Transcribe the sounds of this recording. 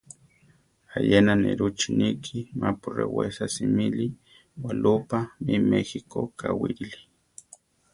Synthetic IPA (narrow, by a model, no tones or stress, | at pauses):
ajenaneɾut͡ʃinikʰimapurewesasimili | walʔupamimexikokʰawiɾili̥